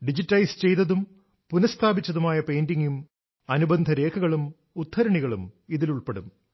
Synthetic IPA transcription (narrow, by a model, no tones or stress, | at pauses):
ɖid͡ʑitːɐjst͡ɕe̞jt̪ɐðum | punɐst̪ʰaːbit͡ɕːɐðumaːjɐpejndiŋum | ɐnubɐnd̪ʱɐɾe̞ːkʰɐɣɐɭum | ut̪ʰːɐɾɐɳiɣɐɭumiðiluɭpeɽṵm